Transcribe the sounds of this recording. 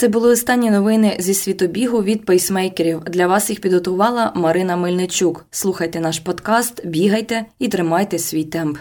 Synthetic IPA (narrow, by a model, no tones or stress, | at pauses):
t̪sɛbʊlˠɪɔst̪ɑnʲːinɔʋɪnɪzʲisʲʋʲit̪ɔbʲiɦʊʋʲid̪̚pɛjsmɛjkeɾʲiwd̪lʲɐʋɑsjixpʲid̪ɦɔt̪ʊʋɑlˠɐmɐɾɪnɐmɪlʲnet͡ʃʲukslˠuxɐjt̪ɛnɑʃpɔd̪kɑst̪bʲiɦɐjt̪ɛit̪ɾɪmɑjt̪ɛsʲʋʲijt̪ɛmp